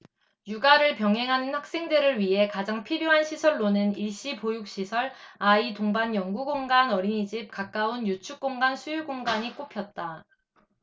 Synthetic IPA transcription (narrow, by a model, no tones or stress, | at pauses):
juɡaɾɯɭpjʌŋɦe̞ŋɦanɯnhɸwak̚s͈e̞ŋdeɾɯɭɥiɦe̞kad͡ʑaŋpʰiɾjoɦanɕʰisʰʌɭːonɯniɭɕ͈ipojuk̚ɕ͈isʰʌɭaitoŋbanjʌŋɡuɡoŋɡanʌɾiɲid͡ʑip̚kak͈̚aunjut͡ɕʰuk̚k͈oŋɡansʰujuɭɡoŋɡaɲik͈opʰjʌt̚t͈a